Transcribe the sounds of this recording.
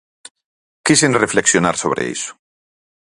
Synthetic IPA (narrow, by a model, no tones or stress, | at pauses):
kisenrefleksjonaɾsoβɾḛḭsʊ̥